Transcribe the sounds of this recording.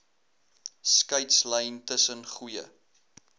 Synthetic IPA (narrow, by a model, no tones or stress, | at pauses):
skɐɥtsləjntəsənχujə̰